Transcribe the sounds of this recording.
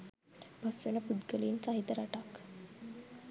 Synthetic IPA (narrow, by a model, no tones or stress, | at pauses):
bʱəsʋenapud̪ɡəlint͡saɦit̪əɾaʈak